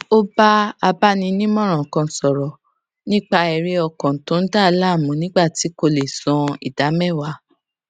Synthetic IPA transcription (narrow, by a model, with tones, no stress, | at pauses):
o˦ba˦a˧ba˦nĩ˧nĩ˦mɔ̃˦˨ɾ̃ã˨kã˧˨sɔ˨ɾɔ˨ | nĩ˦k͡pa˧ɛ˧˨ɾi˧˦ɔ˧kɔ̃˨tõ˨˦n̩˦da˦˧la˦˨mũ˨˦nĩ˦ɡ͡ba˦˨ti˨˦ko˧le˨sɔ̃˧ḭ˨d̥a˨˦mɛ̃˦˨wa˨˦